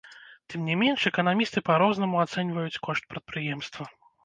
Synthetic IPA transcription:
t̪ɨmnʲɛmʲɛnʂɛkɐnamʲist̪ɨpaɾɔznɐmuat̪sɛnʲvɐjut͡sʲkɔʂt̪̚pɾɐt̪̚pɾɨjɛmst̪vɐ

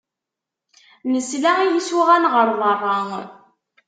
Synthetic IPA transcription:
nəslæijiswiʁænʁəɾˤðˤərˤːɑŋ

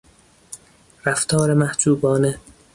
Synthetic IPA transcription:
ɾæft̪ʰɒːɾemæhd͡ʒuːbɒːne

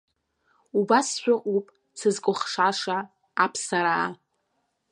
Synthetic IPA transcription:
ubasʃʷᶣʊqʼupʼ | sɨzkʷʼʊχʂaʂaː | pʰsaɾaː

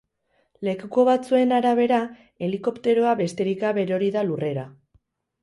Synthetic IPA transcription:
le̞kukoβat͡sue̞naɾaβ̞e̞ɾa | e̞liko̞pt̪e̞ɾoaβe̞st̪e̞ɾikaβe̞ɾo̞ɾiðalure̞ɾa

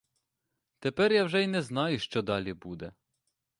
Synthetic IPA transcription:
t̪epɛrjawʒɛinɛznɑjʊʃt͡ʃɔd̪ɑlʲibud̪ɛ

